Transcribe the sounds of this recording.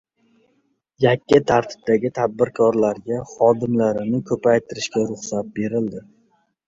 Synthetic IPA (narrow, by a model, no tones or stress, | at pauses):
jakʲːɪt̪ʰaɾt̪ʰɪ̥b̚d̪aɡʲɪt̪ʰad̪̚bɪɾkʰɒɾlaɾɡʲaχɒd̪ɪmlaɾɪnɪkʰɵpʰajt̪ʰɪɾɪʃkʲaɾʊχsat̪̚be̞ɾɪld̪ɪ